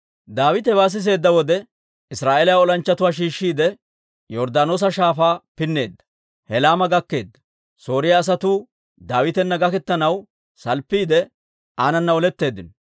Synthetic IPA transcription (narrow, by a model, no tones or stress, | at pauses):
d̪aːwɪt̪ɛβaːs̬ɪs̬e̞ːd̪ːɐwɔd̪ɛ | ɪsɾaːʔelɐaɔlɐnt͡ʃːɐt̪ʊwaːʃ̬iːʃːiːd̪ɛ | jɔɾd̪aːnoːs̬ɐʃaːfaːpɪnːe̞ːd̪ːɐ̥ | hɛlaːmɐɡɐkːe̞ːd̪ːɐ̥ | so̞ːɾɪjɐːs̬ɐt̪uː | d̪aːwɪt̪ɛnːɐɡɐkɛt̪ːɐnɐw | sɐlpːiːd̪ɛ | aːnɐnːɐɔlɛt̪ːe̞ːd̪ːɪnɔ